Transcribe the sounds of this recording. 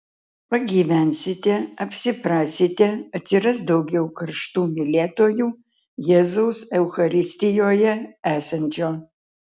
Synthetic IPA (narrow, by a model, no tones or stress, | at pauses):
pɐɡʲiːʋʲænʲsʲɪt̪ʲɛɐpʲsʲɪpɾɑːsʲɪt̪ʲɛɐtʲsʲɪɾɐs̬d̪ɐwɡʲɛʊkɐrʃt̪uːmʲɪlʲeːt̪oːjuː | jɛzɐʊsɛwxɐɾʲɪsʲt̪ʲɪjoːjɛæːsɐnʲd͡ʒʲoː